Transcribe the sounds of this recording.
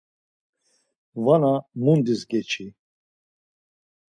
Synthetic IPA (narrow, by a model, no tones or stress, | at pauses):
vanamund̪isɡɛt͡ʃʰi